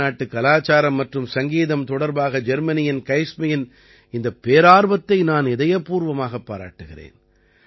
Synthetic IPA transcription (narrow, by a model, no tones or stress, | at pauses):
aːʈːɯkːɐlaːt͡ʃaːɾɐmːɐʈrɯmsɐŋɡiːðɐmt̪ɔɽɐɾbaːɣɐd͡ʒɛɾmɐnɪjɐnkɐɪsmɐjɪn | ɪnd̪ɐpːeːɾaːɾbɐt̪ːɐɪnaːnɛðɐjɐpuːɾʋɐmaːɣɐpːaːɾa̰ːʈːɯɣɪɾḛːn